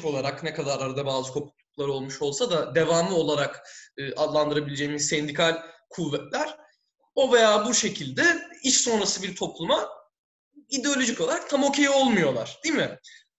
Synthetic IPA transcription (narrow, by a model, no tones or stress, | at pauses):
po̞lˠaɾaknɛkʰad̪aɾaɾd̪abaːzɯkʰo̞pʰuk̚lˠuklˠaɾɯo̞lˠmuʃo̞lˠsad̪ad̪e̞vamlˠɯo̞lˠaɾakɯːʔad̪lˠand̪ɯɾabilʲed͡ʒeːimizsɛnd̪ikʰalʲkʰuvːɛt̪lʲæɾ̥ | o̞ve̞jaːbuʃe̞cʰilʲd̪ɛiʃso̞nɾasɯbiɾt̪ʰo̞plˠuma | id̪e̞o̞lʲo̞ʒico̞lˠaɾak̚t̪ʰamo̞cʰejio̞lˠmujo̞lˠaɾ̥d̪̥iːmɪ